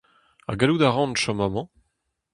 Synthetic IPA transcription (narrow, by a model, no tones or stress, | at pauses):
a̰ɡalud̪aʁɑ̃nʃɔ̃mamɑ̃